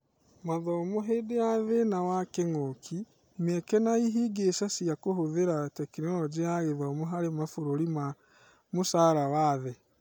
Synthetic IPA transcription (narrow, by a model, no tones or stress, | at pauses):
maðɔmoɦedeaðenawakeŋokʰi | mɛkɛnaiɦiɡesasiakoɦoðeɾatɛkinɔd͡ʒeaɣeðɔmoɦaɾemafoɾoɾima | mosaɾawaðɛ